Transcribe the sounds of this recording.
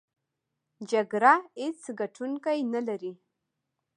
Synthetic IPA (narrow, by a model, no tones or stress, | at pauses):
d͡ʒaɡɾahet͡sɡaʈʰuŋkajnalaɾi